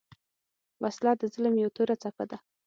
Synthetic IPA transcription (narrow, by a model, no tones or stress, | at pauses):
waslɑd̪əzɪləmjawt̪oɾat͡sapad̪a